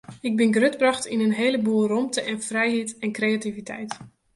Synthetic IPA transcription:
ɪɡ̚bɪnɡrøtbrɑxtinənɦeːləbuːromtəʔɛfrɛjɦitɛnkreativitʰɛ̰jt

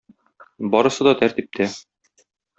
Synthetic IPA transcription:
bɒɾɤ̆sɤd̪ɒt̪æɾt̪ip̚t̪ʰæ

